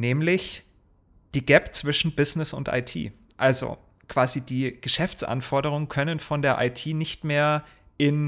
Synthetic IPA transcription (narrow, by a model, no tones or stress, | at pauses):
nɛːmlɪç | d̥iːɡɛpt͡sv̥ɪʃn̩bɪznɪsʊ̰ntʔa̰ɪtʰḭː | ʔalzo̰ | kʰv̥aːzidiːɡ̥əʃɛft͡sʔa̰nfɔɐdəʁ̞ʊŋənkʰœnənfɔndeːɐʔaɪtʰiːnɪçtmeːɐ | ʔɪn